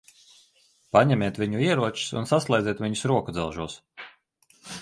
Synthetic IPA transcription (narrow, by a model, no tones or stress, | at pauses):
paɲɛmʲeːt̪vʲiɲuiɛɾuɔt͡ʃu̥sṵnsaslˠajd̪zʲɛːt̪vʲiɲusɾuɔkud̪zɛlˠʒuɔs